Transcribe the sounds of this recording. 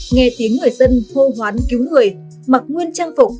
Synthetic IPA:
ŋɛ˧t̪i˨˦əŋːɨ˨˩əjzə˧nho˧ɦwaː˨˦nki˨˦wŋɨ˨˩əj | ma˨˩k̚ŋwi˧ənt͡ɕaː˧ŋfo˨˩k͡p̚

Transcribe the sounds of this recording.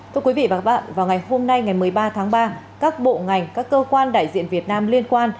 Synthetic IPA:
t̪ʰu˧ə˧kwi˨˦vḭ˧˨vaː˨˩˦ɓa̰ː˧˨nvaː˨˩wŋa˨˩jho˧mna˧jŋa˨˩jmɨ˨˩əjɓaː˧t̪ʰaː˨˦ŋɓaː˧ | kaː˦˥k̚ɓo̰˧˨ŋa˨˩jŋ̟kaː˦˥kːəː˧kwaː˧nɗa̰ː˧˨jzḭ˧˨ənvi˨˩ət̚naː˧mli˧ənkwaː˧n

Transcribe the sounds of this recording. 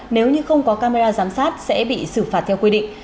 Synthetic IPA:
ne˨˦wɲɨ˧xə˧wŋ͡mkɔ˨˦kaː˧me˧zaː˧zaː˨˦msaː˦˥t̚sɛ̰˧˥ɓḭ˧˨sɨ˧˩faː˨˩t̚t̪ʰwkwi˧ɗḭ̈˧˨ŋ

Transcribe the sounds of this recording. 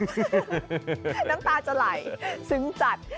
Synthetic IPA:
na˦˥mt̪aː˧t͡ɕa˨˧˩la˨˩jsɯ˨˩˦ŋt͡ɕa˨˩t̪̚

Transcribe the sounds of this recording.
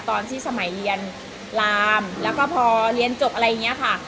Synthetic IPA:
t̪ɔː˧nt̪ʰiː˥˩sa˧ma˩˦jli˧ən | laː˧mlɛː˦˥wkɔː˥˩pʰɔː˧ɾi˧ənt͡ɕo˨˩p̚ʔa˧ɾa˧jːa˨˩ŋːi˦˥ɐ˨kʰa˥˩

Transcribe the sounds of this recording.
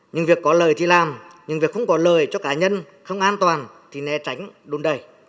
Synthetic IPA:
ɲɨ˧ŋvi˨˩əkːɔ˨˦ləː˨˩jt̪ʰi˨˩laː˨˩mɲɨ˧ŋvi˨˩ək̚xə˧wŋ͡mkɔ˨˦ləː˨˩jt͡ɕɔ˧kaː˨˦ɲə˧n | xə˧wŋ͡mʔaː˧nt̪waː˨˩n | t̪ʰi˨˩nɛ˨˧˩t͡ɕa˨˦jŋ̟ɗu˨˦nɗə˨˩j

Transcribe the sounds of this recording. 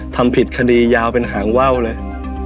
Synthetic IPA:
t̪ʰa˧mpʰi˨˩t̪̚kʰa˧diː˧jaː˧wpe˧nɦaː˩˦ŋwa˥˩wlɤː˧j

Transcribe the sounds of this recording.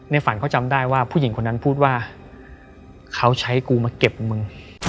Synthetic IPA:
nɛ˧˩fa˨˩˦nkʰɔ˥˩wt͡ɕa˧mdaː˥˩jwaː˥˩pʰu˥˩ji˩˦ŋkʰo˧nːa˦˥npʰuː˥˩t̪̚waː˥˩ | kʰa˦˥wt͡ɕʰa˦˥jkuː˧maː˧ke˨˩p̚mɯ˧ŋ

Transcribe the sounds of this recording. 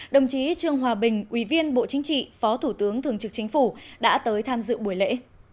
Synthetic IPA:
ɗə˨˩wŋ͡mt͡ɕi˨˦t͡ɕɨ˨˩əŋɦwaː˨˩ɓï˨˩ŋ̟ʔwi˧˩vi˧ənɓo̰˧˨t͡ɕï˨˦ŋ̟t͡ɕḭ˧˨fɔ˨˦t̪ʰu˧˩t̪ɨ˨˦əŋt̪ʰɨ˨˩əŋt͡ɕɨ˨˩k̚t͡ɕï˨˦ŋ̟fu˧˩ɗa̰ː˧˥t̪əː˨˦jt̪ʰaː˧mzɨ̰˧˨ɓu˧˩əjlḛ˧˥

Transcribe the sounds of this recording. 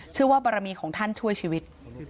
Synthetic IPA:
t͡ɕʰɯ˥˩waː˥˩baː˧ɾa˧miː˧kʰɔː˩˦ŋt̪ʰa˥˩nt͡ɕʰu˥˩əjt͡ɕʰiː˧wi˦˥t̪̚

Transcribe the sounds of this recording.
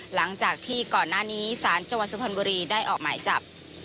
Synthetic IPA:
la˩˦ŋt͡ɕaː˨˩k̚t̪ʰiː˥˩kɔː˨˩nːaː˥˩niː˦˥saː˩˦nt͡ɕa˧ŋwa˨˩t̪̚su˧pʰa˧nbuː˧ɾiː˧daː˥˩jʔɔː˨˩k̚maː˩˦jt͡ɕa˨˩p̚

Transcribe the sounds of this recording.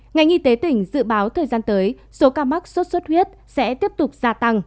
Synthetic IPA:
ŋa˨˩jŋ̟ʔi˧t̪e˨˦t̪ï˨˩ŋ̟zɨ̰˧˨ɓaː˨˦wt̪ʰəː˨˩jzaː˧nt̪əː˨˦j | so˨˦kaː˧ma˦˥k̚swə˦˥t̚swə˦˥t̚hwi˦˥ət̚ | sɛ̰˧˥t̪i˦˥əp̚t̪ʊ˨˩k͡p̚zaː˧t̪a˧ŋ

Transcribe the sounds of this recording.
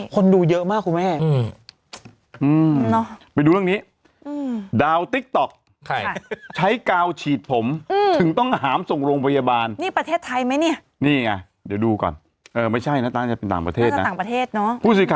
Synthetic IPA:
kʰo˧nduː˧jɤ˦˥ʔmaː˥˩kʰːu˧mɛː˥˩˧ | ʔɯː˧nɔ˦˥pa˧jduː˧ɾɯ˥˩˨niː˦˥ | ʔɯː˧daː˧wt̪i˦˥k̚t̪ɔ˨˩k̚ | kʰt͡ɕʰa˦˥jkaː˧wt͡ɕʰiː˨˩t̪̚pʰo˩˦mʔɯː˧ɯ˨˩˦ŋt̪ɔ˥˩ŋɦaː˩˦mso˨˩ŋɾoː˧ŋpʰa˧jaː˧baː˧nniː˥˩pɾa˧t̪ʰeː˥˩t̪ʰːa˧jma˦˥jni˥˩ɐ | niː˥˩ŋa˧ | deː˨˩˦duː˧kɔ̰ː˨˩n | ʔɤː˨˩ma˥˩jt͡ɕʰa˥˩jna˦˥t̪aː˧˩t͡ɕa˨˩pe˧nt̪aː˨˩ŋpɾa˧t̪ʰeː˧˥˩t̪̚n˦aː˨˩ŋpɾa˧t̪ʰeː˥˩t̪̚nɔ˦˥pʰuː˥˩siː˨˧˩kʰa˧˩

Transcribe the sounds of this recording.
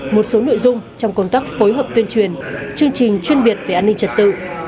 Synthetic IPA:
mo˨˩t̚so˨˦no̰˧˨jzʊ˧ŋ͡mt͡ɕɔ˧wŋ͡mkə˧wŋ͡mt̪aː˦˥k̚fo˨˦jɦəː˨˩p̚t̪wi˧ənt͡ɕwi˨˩ənt͡ɕɨ˧əŋt͡ɕï˨˩ŋ̟t͡ɕwi˧ənɓi˨˩ət̚ve˨˩ʔaː˧ni˧ŋ̟t͡ɕə˨˩t̚t̪ɨ̰˧˨

